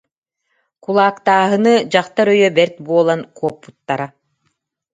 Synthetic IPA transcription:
kulˠaːkt̪aːɦɯnɯd͡ʑaχt̪aɾœjœbɛɾt̪buɔlˠankuɔpːut̪ːaɾa

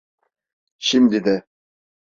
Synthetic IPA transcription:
ʃimd̪id̪ɛ

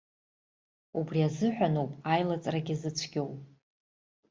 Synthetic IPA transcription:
ubriazɨħʷᶣanowpʼajlat͡sʼraɡʲizɨt͡sʷʰɡʲo̞wpʼ

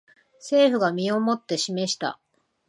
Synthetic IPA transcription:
se̞ːɸɯ̟ɡamʲio̞mo̞t̪ːe̞ɕime̞ɕi̥t̪a̰

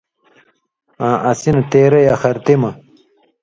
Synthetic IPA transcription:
ãːʔɐsinɐt̪eːɾɐjaxɐɾt̪imɐ

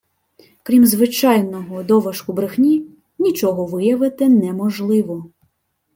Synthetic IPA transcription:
kɾʲimzʋɪt͡ʃɑjnɔɦɔd̪ɔʋɐʃkʊbɾɪxnʲi | nʲit͡ʃɔɦɔʋɪjɐʋɪt̪ɪnɛmɔʒlˠɪʋɔ

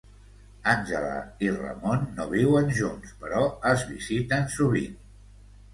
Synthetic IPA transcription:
anʲʒələ̰irə̰monːoβ̞iwənʒunspəɾɔəzβizit̪ənsuβ̞ḭn

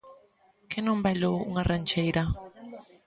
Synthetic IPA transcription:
kʰɛnɔmbɛlouŋarant͡ʃejɾa

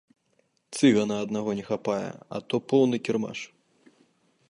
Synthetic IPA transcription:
t̪sɨɣɐnɐɐd̪naɣɔnʲɛxapajɛ̰ɐ̰t̪ɔpɔwnɨkʲirma̰ʂ

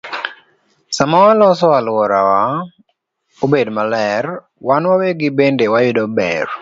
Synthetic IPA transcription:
samawalɔsɔalwɔɾawa | obedmalɛr | wanwaweɡɪbendewajʊdɔbɛ̰r

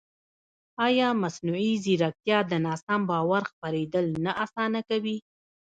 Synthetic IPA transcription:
ɑjɑmasnuiziɾak̚t̪jɑd̪ənɑsambɑwaɾxpaɾed̪əlnaʔasɑnakawi

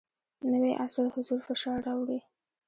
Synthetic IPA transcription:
nəweʔasɪlhʊzuɾfɪʃɑɾawɽi

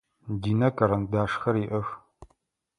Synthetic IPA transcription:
diːnɐkʼɐɾɐndaːʂxɐɾiʔɐx

